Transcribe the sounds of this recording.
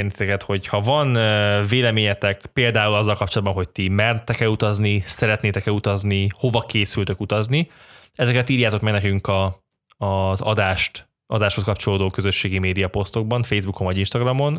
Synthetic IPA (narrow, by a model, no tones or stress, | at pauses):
rnit̪it̪ɛkɛt̪ho̞chɒvɒnveːlɛmeːɲɛt̪ɛkpeːld̪aːulɒzːɒlkɒpt͡ʃolɒd̪̚bɒnɦo̞c̚t̪imɛrt̪ɛkɛlut̪ɒznisɛɾɛt̪neːt̪ɛkɛut̪ɒzniho̞vɒkeːsylt̪økut̪ɒzni | ɛzɛkɛt̪iːɾjaːt̪o̞kmɛɡnɛkyŋkɒ | ɒzɒ̰d̪aːʃt̪ | ɒ̰d̪aːʃhoskɒp̚t͡ʃo̞loːd̪oːkø̞zø̞ʃːeːɡimeːd̪ijɒpo̞st̪o̞ɡ̚bɒɱfejzbuko̞ɱvɒɟinʃt̪ɒɡrɒmo̞n